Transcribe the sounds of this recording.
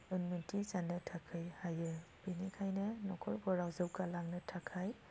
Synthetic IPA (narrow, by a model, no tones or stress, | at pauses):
ɯnmintizanɯtʰakʰɯjhajɯbinikʰajnɯnɔkʰɔɾbɔɾawzɯwkalaŋnɯtʰakʰaj